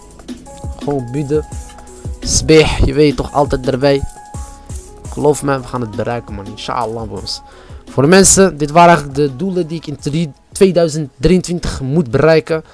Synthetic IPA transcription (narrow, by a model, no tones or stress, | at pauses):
χoːnbydə | sbexjəʋetːɔχɑ̰lˠtɛjt̚dərbɛj | ɪkχəloːfmɛʋəχaːnət̚bərɛjkəmɑnɪnʃa̰ːəlˠːɑːbɛjɔ̰ns | foːrdəmɛnsədɪtʋaːɾɛjχələk̚dədulədiɪkɪn | tʋeːdœɥzənt̚driəntʋɪntəχmutbəɾɛjkə